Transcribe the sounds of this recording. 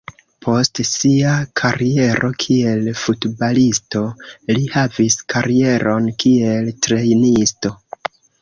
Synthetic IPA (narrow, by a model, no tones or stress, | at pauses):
pʰo̞stsiakʰaɾie̞ɾʔo̞kʰie̞lfutbalisto̞lihaviskʰaɾie̞ɾʔo̞nkie̞ltɾe̞jnisto̞